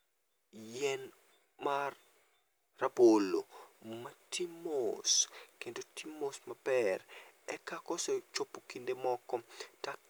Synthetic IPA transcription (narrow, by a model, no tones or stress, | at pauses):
jɛn | marː | abolomɐtʰimoskendotimosmɐpɛrɛkakɔsɛt͡ʃopːokindemɔkɔta